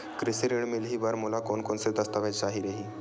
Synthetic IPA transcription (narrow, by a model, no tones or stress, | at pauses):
kɾisiɾiɳmilɦiːbəɾmulakonkonsed̪əst̪aʋat͡ɕaɦiɾeɦiː